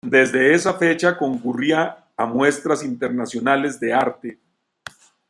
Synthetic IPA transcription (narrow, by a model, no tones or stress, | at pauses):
d̪e̞zd̪e̞esafe̞t͡ʃako̞ŋkuriaː | mwe̞st̪ɾasint̪e̞ɾnasjo̞nale̞zd̪e̞aɾt̪e